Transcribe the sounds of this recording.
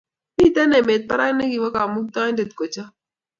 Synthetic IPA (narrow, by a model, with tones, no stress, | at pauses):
mi˦˨t̪ɛ˦nɛ˨me˨t̪̚pa˦ɾa˦ne˦ɡi˨wa˦ka˨mu˦k̚t̪a˦nde˨t̪̚ko˨t͡ʃa˦